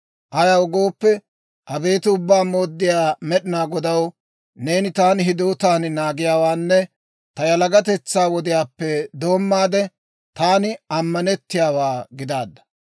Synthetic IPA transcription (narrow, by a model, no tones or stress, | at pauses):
ʔɐjɐwɡo̞ːpːɛ | ʔɐbe̞ːt̪ɪʊbːaːmo̞ːd̪ːɪjaːmɛɗɪnaːɡɔd̪ɐw | ne̞ːnɪt̪aːnɦɪd̪oːt̪aːnnaːɡɪjaːwaːnːɛ | t̪ɐjɐlɐɡɐt̪̬ɛt͡sːaːwɔd̪ɪjaːpːɛd̪o̞ːmːaːd̪ɛ | t̪aːnɪɐmːɐnɛt̪ːɪjaːwaːɡɪd̪aːd̪ːɐ̥